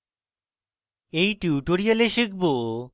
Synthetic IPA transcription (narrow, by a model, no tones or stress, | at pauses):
ejʈuːʈoɾialeʃikbo